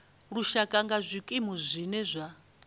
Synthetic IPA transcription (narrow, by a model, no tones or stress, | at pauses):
ɺuʃakʼaŋɡazʷikʼimuzʷinɛzʷa